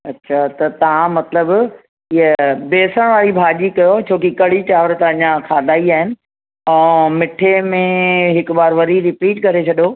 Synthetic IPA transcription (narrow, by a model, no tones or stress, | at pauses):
ɐtːɕʰat̪ɐt̪ɐʋ̤ãmɐt̪ləb | iəbeːsəɽ̃ʋaːɾibʱaːʄikɐjot͡ɕʰoːkikɐɽ̤iʈaːʋəɾt̪ɐɐ̃ɲãkʰaːd̪ʱaːiaːɦɪnɪ̆ | ɛ̃ːmɪʈʰemẽɦɪkʊbaːɾʋɐɾiɾɪpiːʈkɐɾet͡ɕʰɐɗjo